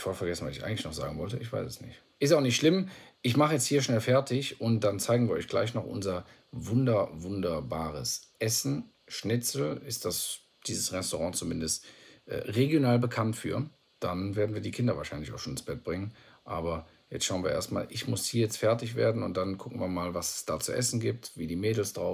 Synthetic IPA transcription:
ɪfaːfɛɐɡɛsn̩vasɪça̰ɪɡŋ̩lɪçnɔχz̥a̰ːɡŋ̩vɔltəʔɪçv̥a̰ɪsɛsnɪ̰çt | ʔɪstaʊxnɪçtʃlɪmʔɪçmaχəjɛt͡sthiːɐʃnɛlfɛɐtɪçʔʊnt̚d̥ant͡saɪɡŋ̩viːɐʔɔ̰ʏçɡ̥la̰ɪçnɔχʔʊ̰nzɐ | vʊndɐvʊndɐbaːʁəsʔɛsn̩ | ʃnɪt͡sl̩ɪst̚d̥as | d̥iːzəsʁɛstoʁɑ̃ːt͡sumɪndəstʔɛ̰ːʁeɡjonaːlbəkʰantfy̰ːɐ | d̥anveːɐdn̩viːɐdiːkʰɪndɐvaːʃaɪnlɪçaʊxʃoːnɪnsb̥ɛt̚b̥ʁɪŋənʔa̰ːbɐ | jɛt͡stʃaʊənviɐḛːɐstma̰ːlʔɪçmʊshiːɐjɛt͡stfɛɐtɪçv̥ḛːɐdn̩ʊnt̚d̥ankʰʊkŋ̩viːɐmaːlvasɛ̥sd̥aːt͡suʔɛ̰sn̩ɡiːp̚tviːdiːmeːdl̩sd̥ʁaʊf

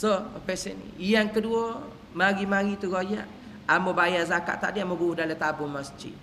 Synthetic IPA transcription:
soəpɛsə̰nḭijaŋkəduo | maɡimaɾit̪uɡoja̰ʔ | amobajazaka̰ʔt̪adiamoɡuudalat̪abʊmasd͡ʒḭt̪̚

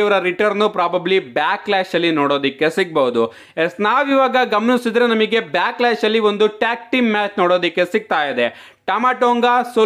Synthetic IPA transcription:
ɐʋɐɾɐɾiʈɐɾnːupɾaːbɐblibjaːklaːʃɐlːinoːɽoːd̪ikːe̞siɡ̚bɐɦud̪u | esnaːʋiʋaːɡɐɡɐmɐnisid̪ɾenɐmiɡe̞bjaːklaːʃɐlːio̞nd̪uʈaːk̚ʈimːaːt͡ʃnoːɽoːd̪ikːe̞siɡ̚t̪aːjid̪e | ʈaːmaːʈoːŋɡaso

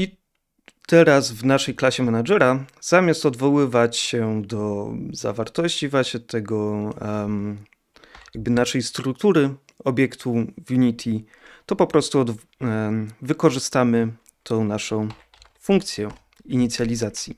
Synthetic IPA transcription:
i | t̪ɛɾazvnaʂɛjklaɕɛmɛnaʐɛɾaz̥amʲast̪ɔd̪vɔwɘvat͡ɕɕɛd̪ɔza̰vaɾt̪ɔɕt͡ɕivwaɕɲɛt̪ɛɡɔ | jaɡ̚bɘnaʂɛjst̪ɾuk̚t̪uɾɘ | ɔbʲjɛkt̪ʰuvʲjuɲʲit̪ʲʰi | t̪ɔpɔpɾɔst̪uɔd̪ | vɘkɔʐɘst̪amɘ | t̪ʰɔ̃w̃naʂɔ̃w̃ | fuŋk̚t̪sʲjɛ | iɲit̪sʲjalʲizat̪sʲji

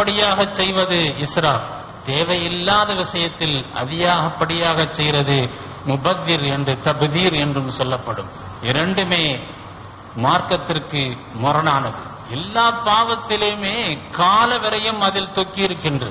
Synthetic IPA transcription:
pːɐɽɪjaːɣɐt͡ʃːɛjʋɐðɯɪsɾaːf | t̪eːʋɐjɪlːaːðɐʋɪsɐjɐt̪ːɪlɐ̰ðɪjaːɣɐpːɐɽɪjaːɣɐt͡ʃːɛjɾɐðɯ | mʊbɐðːiɾɛndrɯt̪ɐbɯðiːɾɛndrɯmsɔlːɐpːɐɽɯm | ɪɾɐɳɖɯmeː | maːɾkɐt̪ːɪrkɯ | mʊɾɐnaːnɐðɯ | ɛlːaːpːaːʋɐt̪ːɪleːmeːkaːlɐʋɪɾɐjɯmɐðɪlt̪ɔkːɪjɪɾɯkːɪndrɐ

